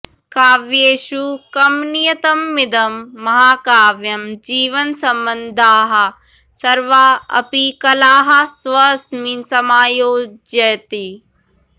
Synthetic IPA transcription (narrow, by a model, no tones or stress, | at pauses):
kaːʋjeːʃukɐmnijɐt̪ɐmːɪd̪ɐmːɐɦaːkaːʋjɐmd͡ʒiːʋɐnsɐmbɐnd̪ʱaːɦɐ̆ | sɐɾʋaːɐ̰pikɐlaːɦɐ̆sʋɐsminsɐmaːjoːd͡ʒjɐjɐt̪i